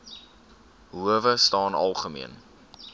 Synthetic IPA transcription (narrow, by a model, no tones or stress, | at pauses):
ɦuəvəstɑːnɐ̰lˠχəmḭən